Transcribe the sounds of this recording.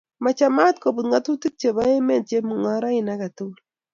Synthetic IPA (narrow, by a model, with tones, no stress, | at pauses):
ma˨t͡ʃa˨ma˦tko˨bu˨tŋa˦tu˦ti˦k̚t͡ʃe˨ba˦e˦mɛ˦˨n̚t͡ʃe˦mu˨ŋɔ˦ɾa˦ɪ˨na˦ka˨tu˦l